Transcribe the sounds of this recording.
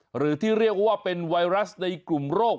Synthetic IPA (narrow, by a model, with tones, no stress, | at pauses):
ɾɯː˩˦t̪ʰiː˥˩ɾi˥˩ək̚waː˥˩pe˧nwa˧jɾa˦˥sna˧jklu˨˩mɾoː˥˩k̚